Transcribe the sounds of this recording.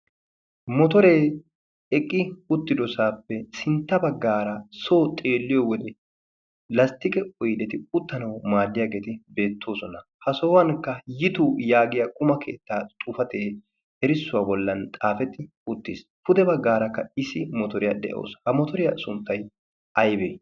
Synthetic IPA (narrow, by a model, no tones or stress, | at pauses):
mɔt̪ɔɾeː | ɛkʼːɪʊt̪ːɪd̪ɔsaːpːɛsɪnt̪ːɐbɐɡːaːɾɐso̞ːt̪ʼe̞ːlːɪjɔwɔd̪ɛ | lɐst̪ːɪkʼɛʔʊjd̪ɛt̪ɪʊt̪ːɐnɐwmaːd̪ːɪjaːɡeːt̪ɪbe̞ːt̪ʰːo̞ːsɔnɐhɐsoːwɐnkːɐjɪt̪ujaːɡɪjɐkʼʊmɐkʰe̞̰ːt̪ːaːt̪ʼʊfɐt̪eː | ɛɾɪsːʊwaːbɔlːɐnt̪ʼaːfɛt̪ɪ | ʊt̪ːɪspʊd̪ɛbɐɡːaːɾɐkːɐɪsɪmɔt̪ɔɾɪjɐd̪ɛ̰ʔo̰ːshɐmɔt̪ɔɾɪjasʊnt̪ːɐj | ɐjbḛː